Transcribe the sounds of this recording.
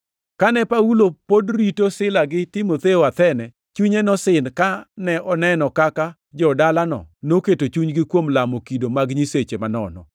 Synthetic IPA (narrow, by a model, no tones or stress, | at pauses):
kanɛpaulopodɾitosɪlaɡɪtɪmot̪eoat̪ɛnɛ | t͡ʃuɲenɔsɪnkanɛʔɔnɛnɔkaka | d͡ʒɔdalanɔ̰noketot͡ʃuɲɡɪkwomlamokidomaɡɲiset͡ʃemanɔ̰nɔ̰